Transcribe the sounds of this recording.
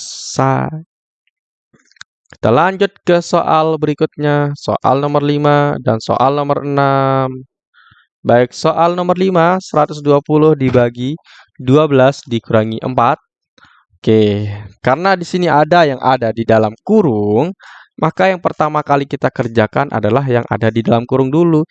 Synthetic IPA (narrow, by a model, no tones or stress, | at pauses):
sa̰ | ki̥t̪alaɲd͡ʒʊt̪̚kəsoʔalbəɾikʊt̪̚ɲaso̰ʔa̰lnomərlimadanso̰ʔa̰lnomərənam | baɪk̚soʔalnomərlimasəɾat̪ʊsduapulʊhdibaɡi | duabəlasdikuɾaŋiʔə̰mpat̪̚ | okekaɾənadisiniadajaŋʔa̰dadidalamkuɾʊŋmakajaŋpərt̪amakalikit̪akərd͡ʒakanʔa̰dalaɦjaŋʔa̰dadidalamkuɾʊŋdulu